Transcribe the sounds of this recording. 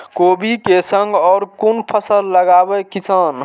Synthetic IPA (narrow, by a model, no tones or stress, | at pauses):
kobʱikesəŋɡɔɾkunpʰəsəlːəɡabekisən